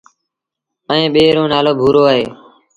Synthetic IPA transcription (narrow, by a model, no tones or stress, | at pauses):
əẽːɓeːɾõːnaːloːbʱuːɾoːaːɦeː